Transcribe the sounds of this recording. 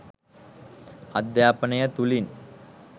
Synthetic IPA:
ad̪jaːpənəjət̪ulin

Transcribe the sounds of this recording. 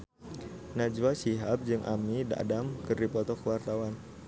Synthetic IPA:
nad͡ʒwasiɦap̚d͡ʒɨŋʔa̰mida̰damkɨrdipɔt̪ɔkəwart̪awan

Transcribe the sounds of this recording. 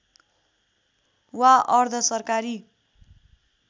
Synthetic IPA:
waʔʌrd̪ʱʌsʌrkaɾi

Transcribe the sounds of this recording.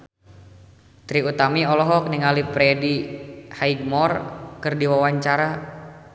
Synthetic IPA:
t̪ɾiut̪amiɔlɔɦɔk̚niŋalipɾɛdihaid̚mɔrkɨrdiwawaɲt͡ʃaɾa

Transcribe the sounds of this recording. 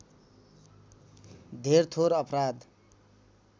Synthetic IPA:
d̪ʱeɾt̪ʰoɾʌpɾad̪

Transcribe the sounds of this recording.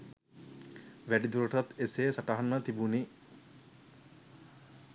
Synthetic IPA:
ʋæɖid̪uɾəʈat̪esesaʈaɦanmət̪ibuni

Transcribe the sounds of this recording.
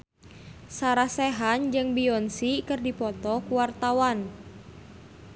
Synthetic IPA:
saɾahsɛɦand͡ʒɨŋbiɔnsikɨrdipɔt̪ɔkuwart̪awan

